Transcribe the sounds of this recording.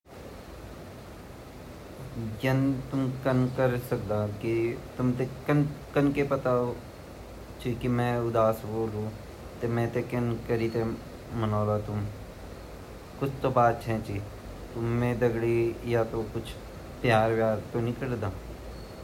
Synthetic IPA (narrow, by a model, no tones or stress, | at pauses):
jɐnt̪ʊmkənkəɾsək̚d̪aːkit̪ʊmt̪ekənkənkepət̪ao | t͡ʃikimɛ̃ːʊd̪aːsboːlõː | t̪emɛ̃ːt̪ekɐnkəɾiːt̪e | mənaːlaːt̪ʊm | kʊt͡ʃʰt̪obaːt̪̚t͡ʃʰɛ̃t͡ʃi | t̪ʊmːẽːd̪əɡɽijat̪okʊt͡ʃʰ | pjaːɾʋjaːɾt̪onɪkəɽd̪aː